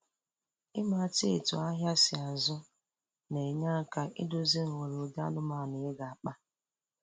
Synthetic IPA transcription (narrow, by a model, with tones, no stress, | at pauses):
ɪ˦ma˨te˦e˨tʊ̰˨a˦ɦja˦sɪ˨a˨zʊ˦ | ne˨ɲa˦ka˦ʔɪ̰˦dʊ˦zi˦ŋ̩˨we˨ɾo˨da̰˦nʊ˦ma˨nɪ˨e˦ɡa˨a˨k͡pa˦